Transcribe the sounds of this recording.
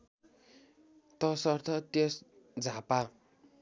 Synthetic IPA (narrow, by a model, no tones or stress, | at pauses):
t̪ʌsʌrt̪ʰʌt̪jes | d͡zʱapa